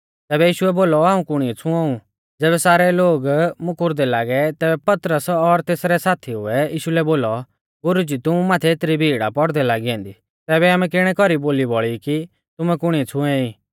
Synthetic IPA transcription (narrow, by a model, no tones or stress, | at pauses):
t̪ɛːβɛjiːʃʊɛboːlɔaːũkʊɽ̃iɛt͡sʰʊ̃ãːũ | d͡zɛːβɛsaːɾɛloːɡmʊkʊɾd̪ɛlaːɡɛt̪ɛːbɛpɐt̪ɾəsɔɾt̪eːsɾɛsaːt̪ʰiɦʊ̰ɛjiːʃulɛboːlɔ | ɡʊɾud͡ʒit̪ʊũmaːt̪ʰɛet̪ɾibʱiːɽa̰pɔɽd̪ɛlaːɡiɛ̃ːnd̪i | t̪ɛːbɛaːmɛ̃kɪɽ̃ɛkɔɾiboːlibɔɭiki | t̪ʊmɛkʊɽ̃iɛt͡sʰʊ̃ɛ̃iː